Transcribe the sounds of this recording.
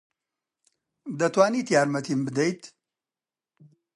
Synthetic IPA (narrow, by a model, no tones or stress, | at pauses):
d̪ɐt̪waːnit̪jaːɾmɐt̪ʰimbɨd̪ɐjt̪